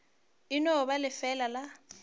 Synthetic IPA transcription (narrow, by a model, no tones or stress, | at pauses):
ɪnɔbalɪfɛlala